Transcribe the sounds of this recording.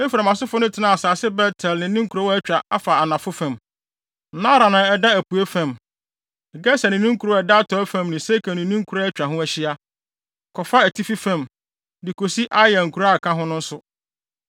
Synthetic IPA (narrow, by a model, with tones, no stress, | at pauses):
e˦fi˨ɾa˨mã˨sʊ˦fʊ˦nʊ̃˦tʰɪ˨nã˦˨a˨saː˨sɪ˦bɛ˦tʰɛ˨lnɪ̃˨˦nĩ˦ŋ̩˦kʰu˨ɾo˦wɔ˦ɛ˦t͡ɕᶣɾa˨a˦fa˨a˨nã˨fʊ˦fã˨m˦ | nã˦ɾã˨nã˨ɛ˨da˦æ˨pu˨e˦fæ̃˨m | ɛ˨ɡɛ˦sa˨nɪ̃˨˦nũ˦ŋ˦kʰu˨ɾo˦ɛ˨da˦tʰɔ˨˦fæ̃˦˨mnɪ̃˨se˦kʰa˨nɪ̃˨˦nĩ˦ŋ˦kʰu˨ɾo˦æ˦t͡ɕᶣa˨ɦʊ̃˦æ˦˨ɕɪ˦a˦ | kʰɔ˨fa˦æ˨tʰi˦fi˦fã˦˨m | dɪ˨kʰo˨si˦ʔa˦jɛ˨ŋ̩˨kʰu˨ɾa˦˨kʰã˦ɦʊ̃˦nʊ̃˦n̩˦sʊ˦